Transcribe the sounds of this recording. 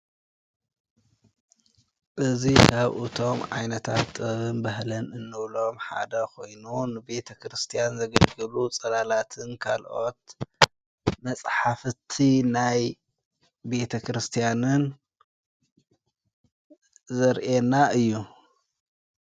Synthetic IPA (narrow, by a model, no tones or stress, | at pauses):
ʔɨzikʰaβʔɨt̪ʰo̞mʕa̰jnɐt̪ʰa̰t̪ːɨɐβɨnbɐhlɐnɨnːɨβlo̞mħa̰d̪ɐkʰo̞jnunɨbe̞t̪ʰɐkɾɨst̪ʰijanzɐɡɐlɡɨlut͡sʼɐlalat̪ʰɨnkʰa̰lʔo̞̰t̪̚ | mɐt͡sʼħafɨt̪ʰinaj | be̞t̪ʰɐkɾɨst̪ʰijanɨn | zɐɾʔenaʔɨjːu